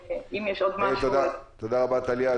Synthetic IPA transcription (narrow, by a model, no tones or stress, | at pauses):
imjɛʃod̪mat̪od̪at̪od̪aʁabat̪alia